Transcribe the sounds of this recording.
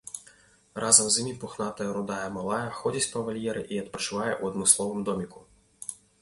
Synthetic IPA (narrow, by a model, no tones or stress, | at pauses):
rʔazɐmzʲimʲipuxnat̪ɐjɛɾud̪ajɐmalˠajɐxɔd͡zʲɐt͡sʲpɐvalʲjɛɾɨʔiɐt̪pɾɐt͡ʂɨvajɛʔuɐd̪mɨslˠɔvɨmd̪ɔmʲiku